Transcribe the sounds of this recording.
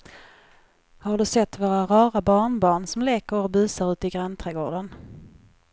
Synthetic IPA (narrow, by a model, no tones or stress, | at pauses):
haɖɵsɛt̪ːvoːɾaɾɑːɾabɑːɳbɑːɳsɔmleːkəɾɔbʉːsaɾʉ̟ːt̪ɪɡɾɛnt̪ʰɾɛɡoːɖən